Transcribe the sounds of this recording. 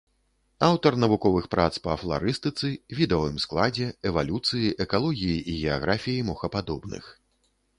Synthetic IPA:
awt̪ɐrnɐvukɔvɨxpɾat̪spɐflˠa̰ɾɨst̪ɨt̪sɨvʲid̪ɛvɨmsklˠad͡zʲɛɛvalʲut̪sɨjiʔɛkalˠɔɣʲijiʔiɣʲɛaɣɾafʲijimɔxɐpad̪ɔbnɨ̰x

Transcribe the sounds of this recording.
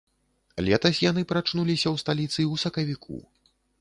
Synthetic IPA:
lʲɛt̪ɐsʲjan̪ɨpɾat͡ʂnulʲisʲɐwst̪alʲit̪sɨwsɐkɐvʲikʰṵ

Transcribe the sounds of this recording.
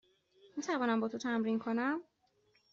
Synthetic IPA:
mit̪ʰævɒːnæmbɒːt̪ʰot̪ʰæmɾinkʰo̞næm

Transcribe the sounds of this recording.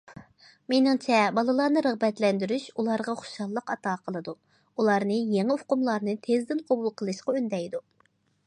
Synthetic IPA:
menɪŋt͡ʃʰɛbɑlˠɨlˠɑɾnɨɾəʁbɛt̪lɛnd̪yɾyʃulˠɑɾʁɑχʊ̥ʃɑlˠːəqɑt̪ɑːqʰəlˠɨd̪u | ulˠɑɾnɨjeŋɪʊqʊmlˠɑɾnɨt̪ʰezd̪ɪnqʰobulˠqʰəlˠɨʃqɑønd̪ɛjd̪u

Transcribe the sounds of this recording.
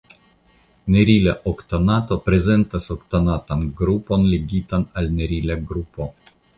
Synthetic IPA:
neɾilaʔokt̪onat̪opɾezent̪asokt̪onat̪anɡɾuponleɡʲit̪analneɾilaɡɾupo

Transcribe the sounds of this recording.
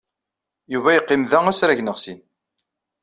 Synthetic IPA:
juvæjəqːɪmðææsɾæʝnəʁsin

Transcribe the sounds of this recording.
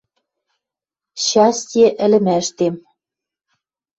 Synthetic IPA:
ɕɑst̪ʲĕʔɘ̆lɘ̆mæʃt̪em

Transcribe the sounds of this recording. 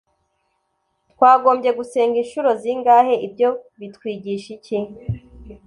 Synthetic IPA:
tkwaːɡo̞ːmbɟe̞ɡuse̞ːŋɡinʃuɾo̞ziŋɡaːhe̞ʔibjo̞βitkwiːɟiʃici

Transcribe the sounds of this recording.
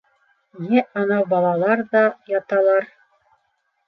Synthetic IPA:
jɘʔɑnɑwbɑlˠɑlˠɑɾðɑjɑt̪ɑlˠɑɾ

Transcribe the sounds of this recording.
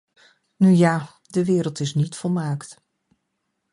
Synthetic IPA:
nyjaː | dəʋɪːɾəlˠtɪsnitfɔlˠmaːkt

